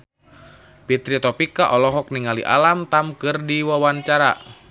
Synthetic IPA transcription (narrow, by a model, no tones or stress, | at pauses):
pit̪ɾit̪ɔpikaʔɔlɔɦɔk̚niŋalḭʔa̰lamt̪amkɨrdiwawant͡ʃaɾa̰